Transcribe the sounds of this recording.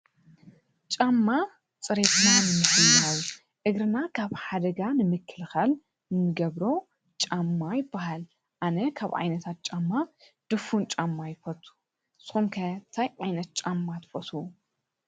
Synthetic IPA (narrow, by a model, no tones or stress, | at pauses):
t͡ʃʼamːa | t͡sʼɨɾe̞t̪nanɨmɨsɨjaw | ʔɨɡɾɨnakʰaβħad̪ɐɡanɨmɨkʰːɨlxal | nɨmɨɡɐβɾo̞ | t͡ʃʼamːajɪbːaɦal | ʔanɐkʰaβʕa̰jnɐt̪ʰat̪̚t͡ʃʼamːa | d̪̥ɨfunt͡ʃʼamːajɪfɐt̪ʰʼu̥ | sɨ̥xumkʰɐt̪ʰajʕajnɐt̪̚t͡ʃʼamːat̪ʰfɐt̪ʰu